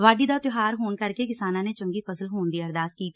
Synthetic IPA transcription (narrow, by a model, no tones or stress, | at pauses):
ʋaːɖiːd̪aːt̪ɪɦaːɾɦoːnkəɾkeːkɪsaːnãːneːt͡ʃʊŋɡiːpəsəlɦoːnd̪iːəɾd̪aːskiː